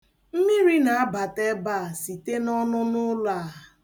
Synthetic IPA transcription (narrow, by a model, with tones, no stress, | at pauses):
m̩˦mi˦ɾi˦na˨a˦ba˨te˦ba˦˨si˨te˦nɔ˦nʊ˦nʊ˦la˦˨